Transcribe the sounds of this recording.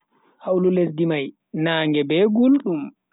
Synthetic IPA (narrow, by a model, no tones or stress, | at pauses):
hawlulesdimaj | naːŋɡɛbɛɡulɗum